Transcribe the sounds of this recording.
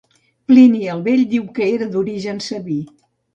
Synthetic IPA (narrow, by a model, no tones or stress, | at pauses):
pliniəlˠβeʎd̪iwkəeɾəd̪uɾiʒənsəβi